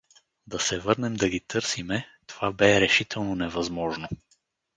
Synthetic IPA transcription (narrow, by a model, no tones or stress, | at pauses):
d̪ɐsɛvɤɾnɛmd̪ɐɡit̪ɤɾsimɛt̪ovabɛɾɛʃit̪ʰɛlˠnonɛvɐzmɔʒno